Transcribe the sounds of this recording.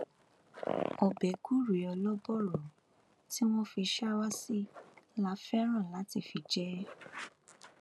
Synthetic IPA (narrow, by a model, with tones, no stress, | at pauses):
ɔ˨bɛ˨ɡu˦ɾi˨˦ɔ˧lɔ˦bɔ˦˨ɾɔ˨ | ti˦w̃ɔ̃˦fi˧ʃa˦wa˦si˦la˧˦fɛ˦ɾ̃ã˦˨la˨˦ti˦˨fi˧d͡ʒɛ˦